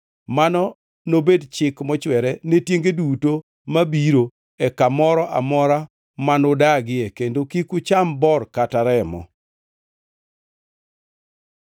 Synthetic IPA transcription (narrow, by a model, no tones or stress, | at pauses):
manɔ | nobedt͡ʃɪkmɔt͡ʃwɛɾɛnetjeŋɡeduto | mabiɾo | ɛkamɔɾɔʔa̰mɔɾa | manodaɡɪɛkendokikʊt͡ʃambɔrkataɾɛmɔ̰